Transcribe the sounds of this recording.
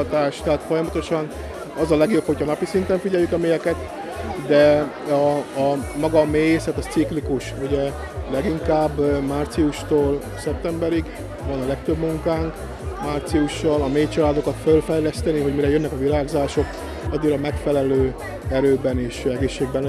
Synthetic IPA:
t̪aːʃt̪ɛɦaːt̪fo̞jɒmɒt̪o̞ʃɒn | ɒzɒlɛɡjo̞pho̞cʰɒnɒpisint̪ɛɱfiɟɛjːykɒmeːjɛkɛt̪ | d̪ɛɒː | mɒɡɒmeːjesɛt̪ɒt̪siklikuʃuɟɛ | lɛɡiŋkaːbːmaːrt̪siuʃt̪oːl | sɛp̚t̪ɛmbɛɾiɡ | vɒnɒlɛkt̪øbmuŋkaːŋk | maːrt̪siuʃːɒlɒmeːt͡ʃɒlaːd̪o̞kɒt̪følfɛjlɛst̪ɛniɦo̞ɟmiɾɛjønːɛkɒvilaːɡzaːʃo̞k | ɒd̪ːiːɾɒmɛkfɛlɛløː | ɛɾøːbɛneːʃɛɡeːʃːeːɡ̚bɛnː

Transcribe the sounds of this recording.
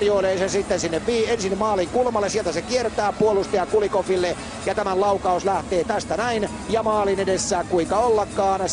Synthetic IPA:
rjoileːsensit̪ːensinːeʋʋiːensinmɑːliŋkulmɑlːesielt̪æsekiert̪æːpuolust̪ejɑkulikofilːe | jɑt̪æmællɑukɑuslæht̪eːt̪æst̪ænæin | jɑmɑːlinedesːæːŋkuiŋkɑolːɑkːˑɑːn

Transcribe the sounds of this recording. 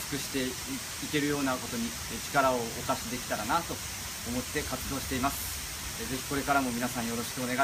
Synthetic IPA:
skɯ̟ɕi̥t̪e̞ | ike̞ɾɯ̟jo̞ːnako̞t̪o̞ɲ̟i | t͡ɕi̥kaɾao̞ːkaɕid̪e̞kʲi̥t̪aɾanat̪o̞ː | mo̞t̪ːe̞kat͡sɨd̪o̞ːɕi̥t̪eimasɨ̥ | ze̞çi̥ko̞ɾe̞kaɾamo̞mʲinasãɰ̃jo̞ɾo̞ɕi̥kɯ̟o̞ne̞ɡa

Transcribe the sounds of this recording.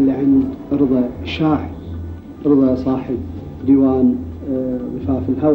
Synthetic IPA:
lːiʕɪnd̪ʔɨɾðˤɑʃaːʕ | ʔɨɾðˤɑsˤɑːħəb̚ | d̪iwaːn | ðˤɨfaːfɪlhaw

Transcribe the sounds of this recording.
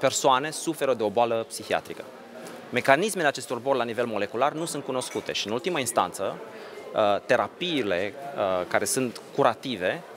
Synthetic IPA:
pe̞rsoane̞sufe̞ɾəd̪eo̞boaləpsixia̰t̪ɾikə | me̞kanisme̞leat͡ʃe̞st̪jorbo̞rlanive̞lmo̞le̞kularnusunt̪̚kuno̞skut̪e̞ʃiɨnult̪imainst̪a̰nt̪sə | t̪e̞ɾapiːle̞kaɾe̞sunt̪kuɾʔat̪ive̞

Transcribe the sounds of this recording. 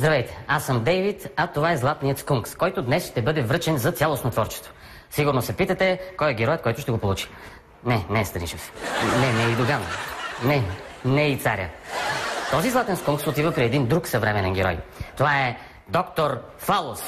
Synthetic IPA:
zd̪ɾɐvɛjt̪ɛ̥asəmd̪ɛjvit̪ɐt̪ovaɛzlˠat̪nijət̪skuŋkskɔjt̪od̪nɛsʃt̪ɛbɤd̪ɛvɾɤt͡ʃɛnzɐt̪sʲjalˠosnot̪vɔɾt͡ʃɛ̥st̪vo̥ | siɡʊɾnosɛpit̪ət̪ɛkɔjɛɡʲɛɾɔjət̪̚kɔjt̪ʊʃt̪ɛɡopolˠut͡ʃi̥ | nɛnɛːst̪ɐnit͡ʃɛsnɛnɛid̪oɡannɛ | nɛit̪saɾʲjə̰ | t̪ɔzizlˠat̪ɛnskuŋksot̪ivəpɾiɛd̪ind̪ɾuksɐvɾɛmɛnɛnɡʲɛɾɔ̰jt̪ovaɛ | d̪ɔkt̪oɾ | falˠos

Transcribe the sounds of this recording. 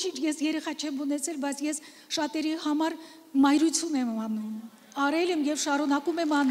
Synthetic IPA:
t͡ʃʰint͡ʃʰjɛsjɛɾɛχɑt͡ʃʰɛmunɛt͡sʰɛlbɑjt͡sʰjɛs | ʃɑt̪ɛɾihɑmɑɾ | mɑjɾut͡sʰjunɛmɑnum | ɑɾɛlɛmjɛvʃɑɾunɑkumɛmɑn

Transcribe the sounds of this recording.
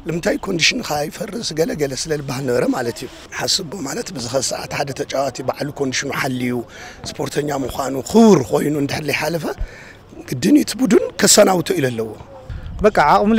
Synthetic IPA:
lɨmɨnt̪ʰajkʰo̞nd̪iʃinkajfɐrːɨsɡɐlɐɡɐlɐsɨlɐlɨbahɨlnɐβɐɾɐmalɐt̪ʰiju | ħasɨbomalɐt̪bɨzɨxɐsɐʔa̰t̪ħad̪ɐt̪ʰɐt͡ʃʼawat̪ʰibaʕlukʰo̞nd̪iʃinuħalːijuspʰo̞ɾt̪ʰɐɲːamuxʷanuxɨβɾko̞jnuɨnd̪ɨħɨɾlijħalɐfɐ | ɡ̥ɨd̪ːɨnit̪ʰbud̪unkʰɐsanawt̪ʰoilɐlːɐwo̞ | bɐkʼːaʕakʼɨml

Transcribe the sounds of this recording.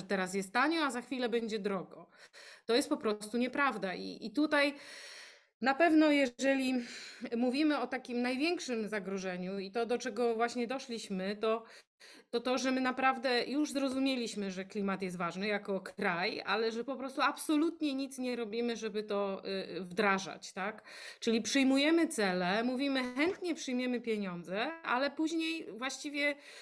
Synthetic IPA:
ɛt̪ɛɾas̬jɛst̪ːaɲɔazaxfʲilɛbɛɲd͡ʑɛd̪ɾɔɡɔt̪ɔjɛst̪pɔpɾɔst̪uɲɛpɾavd̪aʔḭit̪ut̪aj | napɛvnɔjɛʐɛlʲimuvʲimɘɔt̪akʲimnajvʲjɛŋkʂɘmzaɡɾɔʐɛɲuit̪ɔd̪ɔt͡ʂɛɡɔvwaɕɲɛd̪ɔʂlʲiɕmɘt̪ɔ | t̪ɔt̪ɔʐɛmɘnapɾavd̪ɛjuʐzɾɔzumʲjelʲiɕmɘʐɛklʲimat̪jɛs̬t̪vaʐnɘjakɔkɾaja̰lɛʐɛpɔpɾɔst̪uapsɔlut̪ɲɛɲit̪sɲɛɾɔbʲimɘʐɛbɘt̪ɔvd̪ɾaʐa̰t͡ɕt̪ak | t͡ʂɘlʲipʂɨjmujɛmɘt̪sɛlɛmuvʲimɘxɛnt̪ɲɛpʂɘjmʲjɛmɘpʲjɛɲɔnd̪zɛʔalɛpuʑɲejvwaɕt͡ɕivʲjɛ

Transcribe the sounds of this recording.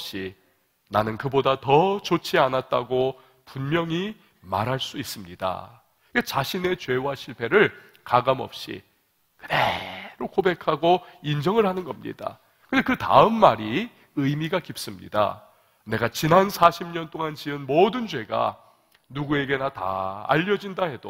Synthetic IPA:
ɕ͈i | nanɯnkɯbodatʌt͡ɕot͡ɕʰianat̚t͈a̰ɡo | punmjʌŋi | maɾɦaɭs͈uis͈ɯmɲida̰ | et͡ɕaɕʰine̞t͡ɕwe̞waɕʰiɭpʰe̞ɾɯɭ | kaɡamʌ̰p̚ɕ͈ḭ | kɯdḛɾokobe̞kʰaɡoind͡ʑʌŋɯɭhanɯnɡʌmɲḭda̰ | kɯnd̥ekɯta̰ɯmːaɾi | ɯjmiɡakip̚s͈ɯmɲḭda̰ | ne̞ɡat͡ɕinansʰaɕʰimɲʌnt͈oŋant͡ɕiɯnmodɯnd͡ʑwe̞ɡa̰ | nuɡue̞ɡe̞nata̰a̰ʎːʌd͡ʑindahe̞d̥o̰

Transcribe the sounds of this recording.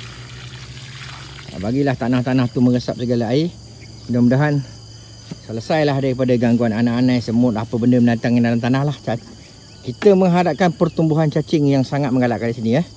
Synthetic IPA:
a̰baɡilaht̪anaht̪anaht̪uməŋəsap̚səɡalaai | damədaɦan | sələsajlahdaɾipadaɡaŋɡuananaʔanajsəmʊt̪apəbəndəmənant̪aŋindalamt̪anahlaht͡ʃa | kit̪əməŋɦadap̚kanpərt̪umbuɦant͡ʃat͡ʃɪŋjaŋsaŋat̪̚məŋɡala̰ʔkandisinijəh

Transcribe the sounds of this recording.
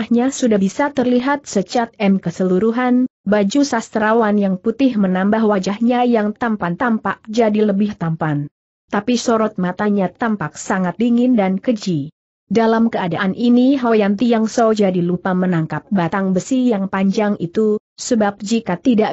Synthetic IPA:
ahɲasudabisat̪ərliɦat̪̚sət͡ʃat̪̚ɛmkəsəluɾuɦanbad͡ʒusast̪əɾawanjaŋput̪ɪhmənambahwad͡ʒahɲajaŋt̪ampant̪ampak̚d͡ʒadiləbɪht̪ampan | t̪apisoɾɔt̪̚mat̪aɲat̪ampak̚saŋat̪̚diŋɪndankəd͡ʒi | dalamkəadaʔanʔiniɦojant̪ijaŋsod͡ʒadilupamənaŋkap̚bat̪aŋbəsijaŋpaɲd͡ʒaŋḭt̪usəbap̚d͡ʒikat̪idaʔ

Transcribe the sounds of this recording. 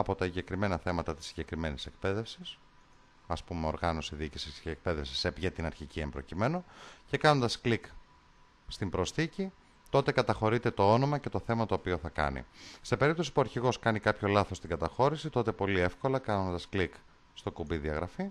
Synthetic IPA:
ɐpo̞t̪ɐsiɲɟe̞kɾime̞nɐθe̞mɐt̪ɐt̪i̥sːi̥ɲɟekɾime̞nisek̚pe̞ðe̞fsis | ɐspumeo̞ɾɣɐno̞siðiicisisceek̚pe̞ðe̞fsisepʝet̪inɐɾçiciembɾo̞̰cime̞no̞ce̞kɐno̞nd̪ɐsklik | st̪imbɾo̞sθici | t̪o̞t̪ekɐt̪ɐxo̞ɾit̪e̞t̪o̞o̞no̞mɐce̞t̪o̞θe̞mɐt̪o̞ːpio̞θɐkɐ̰nḭse̞pe̞ɾip̚t̪osi̥puɐɾçiɣo̞skɐnikɐpço̞lɐθo̞st̪iŋɡɐt̪ɐxo̞ɾisit̪o̞t̪e̞po̞lie̞fko̞lɐkɐno̞nd̪ɐsklik | st̪o̞kubiðiɐɣɾɐ̰fi

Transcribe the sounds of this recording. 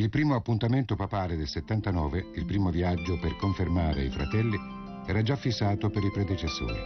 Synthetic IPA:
ilpɾiːmoapːunt̪ament̪opapaːled̪elset̪ːant̪anɔːveilpɾiːmovjad͡ʒːoperkoɱfermaːɾḛifɾa̰t̪ɛlːi | ɛːɾad͡ʒafːisːaːt̪opeɾipɾɛd̪et͡ʃesːo̰ːɾḭ

